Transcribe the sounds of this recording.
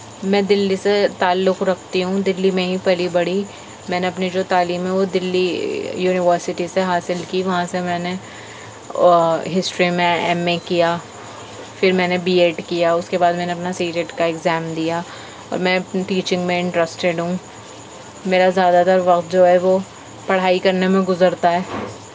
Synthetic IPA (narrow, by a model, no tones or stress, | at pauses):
mɛ̃d̪ɪlːiset̪aːlːʊkɾɐkʰt̪iɦũd̪ɪlːimẽɦĩpɐlibɐɽi | mɛ̃ːneɐpnid͡ʒoːt̪aːliːmɦɛ̃ʋod̪ɪlːijuːnɪʋəɾsɪʈiseɦaːsɪlkiʋɐɦãsemɛ̃ːne | ɦɪsʈɾimẽɛ̰ːmẽkijaː | fɪɾmɛ̃ːnebiːeːʈkijaʊskebaːd̪mɛːneɐpnasiːɾeʈkaɛkzɛːmd̪ija | ɔ̰ːɾmɛ̃ʈiːt͡ʃɪ̃ŋɡmẽɪ̃ɳʈɾəsʈeɖɦũ | meːɾazjaːd̪at̪ɐɾʋɐqt̪̚d͡ʒoːɦɛʋo | pɐɽ̤aːikɐɾnemẽɡʊzəɾt̪aɦɛː